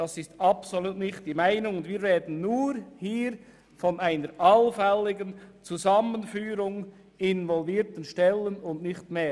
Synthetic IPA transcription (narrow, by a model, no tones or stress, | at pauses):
d̥ɑsɪstɑpsoluːtnɪxtd̥iːmaɪnʊŋʊndviːɾvɛːdn̩nuːɾhiːɾ | fɔnaɪnəɾʔɑlfɛlːɪɡənt͡suzɑmənfyːɾʊŋ | ɪnvɔlviːɾtən̩ʃtɛlənʊndnɪxtmeː